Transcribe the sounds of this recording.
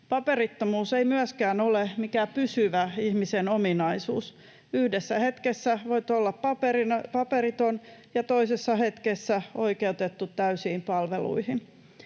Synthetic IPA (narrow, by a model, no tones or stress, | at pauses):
pɑpeɾit̪ːomuːseimyæskæːnolemikæpysyʋæihmisenominɑisuːs | yhdesːæhe̞t̪kesːæʋoit̪olːɑppɑperinɑpɑpeɾit̪onjɑt̪oisesːɑhet̪kesːæoikeut̪et̪ːut̪ːæysiːmpɑlʋelṵihin